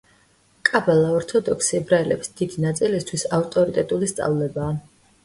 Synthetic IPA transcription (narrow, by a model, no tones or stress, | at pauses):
kʼabɛlˠaɔɾt̪ʰɔd̪ɔksiɛbɾaɛlɛ̰psd̪̥id̪inat̪sʼilist̪ʰwisaft̪ʼɔɾit̪ʼɛt̪ʼulist̪sʼa̰vlɛbaː